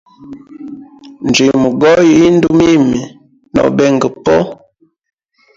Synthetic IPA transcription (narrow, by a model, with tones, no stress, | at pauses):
n˨d͡ʒi˨mu˨ɡɔ˦ji˦n̩˦du˦mi˦mi˨ | nɔ̰˨bɛ˦˨ŋɡə˨pɔ˦